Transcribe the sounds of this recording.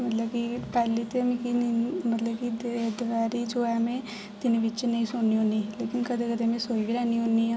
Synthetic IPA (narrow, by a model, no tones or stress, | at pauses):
mət̪ləbkipɛːlit̪emkimət̪ləbkidd̪ʋɛːɾid͡ʒoːɛːmẽ | t̪ɪneʋɪt͡ʃnɐĩsʊnniɦoːniːleːkɪnkəd̪ʰekəd̪ʰemẽsoːibilɛːniɦoniɦãː